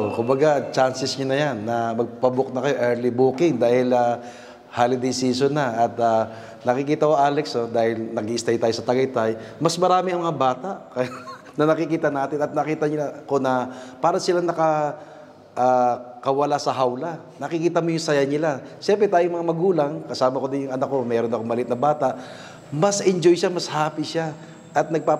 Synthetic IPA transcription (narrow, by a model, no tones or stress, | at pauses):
kʊmbɐɡat͡ʃansɛsɲʊnɐjanːɐmɐɡ̚pɐbʊk̚nɐkɐjoʔɛɹlibuːkɪŋd̪aːhɪlɐ | haːlɪd̪ɛjsiːsonːɐʔɐt̪a | nɐkɪkiːt̪ɐwoʔaːlɛksnod̪aːhɪlnɐɡiʔɪst̪ajʊt̪aːjosɐt̪ɐɡɐjt̪ajmɐsmɐɾaːmɪʔɐŋmɐŋabaːt̪aʔkɐja | nɐnɐkɪkiːt̪ɐnaːt̪ɪnɐt̪̚nɐkiːt̪ɐɲɪlakonɐpaːɾɐsɪlanɐkɐ | ʔaːkɐwɐlasɐɦawla | nɐkɪkiːt̪ɐmojʊŋsɐjaɲɪlaʃɛmpɾɛt̪aːjʊŋmɐŋamɐɡuːlɐŋkɐsaːmɐkod̪ɪnjʊŋɐnɐkːo̞mɛːɾo̞nɐkoŋmɐlɪɪt̪nɐbaːt̪aʔ | mɐsʔɛnd͡ʒo̞jʃamɐshaːpiʃa | ʔɐt̪̚nɐɡ̚pa